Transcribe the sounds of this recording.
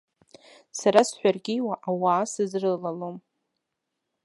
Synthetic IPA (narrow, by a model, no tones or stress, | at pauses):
saɾasħʷᶣarɡʲɪjwaʔawaːsɨzrɨlalom